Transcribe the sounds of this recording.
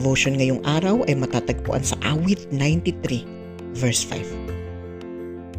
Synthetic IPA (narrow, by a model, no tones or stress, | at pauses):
voʃonŋɐjoŋʔaːɾɐwʔɐjmɐt̪at̪ɐɡ̚pʊ̰ʔa̰nsɐʔaːwɪt̪̚najnt̪it̪ɾi | vɛɹsfa̰jv